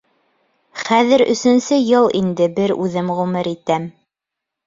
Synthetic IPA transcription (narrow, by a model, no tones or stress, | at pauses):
χæðɘ̆ɾɵ̆sɵ̆nsɘjɤlˠind̪ɘbɘɾʉðɘmʁʉmɘɾit̪æm